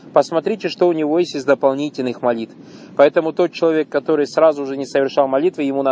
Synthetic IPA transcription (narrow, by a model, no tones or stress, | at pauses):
pəsmɐt̪ɾʲitʲɪʂt̪o̞ʊnʲɪvo̞jesʲtʲɪzd̪əpɐlˠnʲitʲɪlʲnɨxmɐlʲit̪f | pɐɛt̪əmʊt̪o̞t̪̚t͡ɕːɪlˠɐvʲe̞kːɐt̪o̞ɾɨjsɾazʊʐɨnʲɪsəvʲɪrʂalˠmɐlʲit̪vɨjɪmunɐ